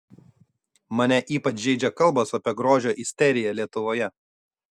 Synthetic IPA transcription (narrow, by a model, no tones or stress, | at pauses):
mɐnʲɛʔiːpɐt͡ʃʲʒʲɛɪd͡ʒʲɛkɐlˠˑbɐsɐpʲiɛɡɾoːʒʲoːʔɪsʲt̪ʲɛɾʲɪjɛlʲiɛt̪ʊʋoːjɛ